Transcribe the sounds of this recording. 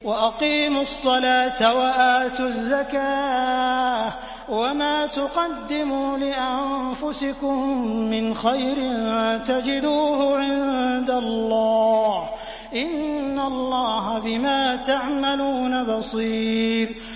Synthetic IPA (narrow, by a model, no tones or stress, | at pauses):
waʔaqiːmʊsˤːɑlaːt̪awaʔaːt̪ʊzːakaː | wamaːt̪ʊqɑd̪ːɪmuːlɪʔamfʊsɪkʊmːɪnxajɾɪnt̪ad͡ʒɪd̪uːhʊʕɪnd̪alːɑːh | ʔɪnːalˤːɑːɦabɪmaːt̪aʕmaluːnabɑsˤiːɾ